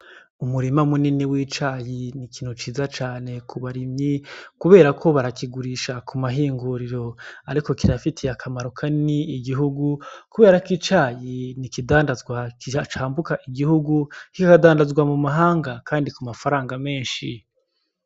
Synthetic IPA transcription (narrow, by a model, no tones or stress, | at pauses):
umuɾimamuniniwiːt͡ʃajinikiːn̥ut͡ʃiːzat͡ʃaːne̞kʰuβaɾimɲikuβe̞ːɾakʰo̞βaɾakiɡuɾiʃakʰumaɦiːŋɡuɾiɾo̞aɾiko̞kiɾafitʰiakʰamaɾokʰaniːɡiɦuɡukuβe̞ːɾakit͡ʃaːjinikidaːndazɡwait͡ʃaːmbukaʔiɡihuɡuikakadaːndazɡwamumaɦaːŋɡakaːndikumafaɾaːŋɡame̞ːnʃi